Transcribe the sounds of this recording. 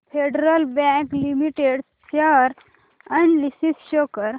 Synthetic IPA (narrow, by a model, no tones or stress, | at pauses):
pʰeɖɾəlbɛ̃klimiʈeɖ | taɾ | ə̃ɳlisisʃokəɾ